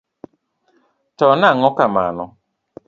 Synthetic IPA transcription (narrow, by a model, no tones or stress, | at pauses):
tɔnaŋɔkama̰nɔ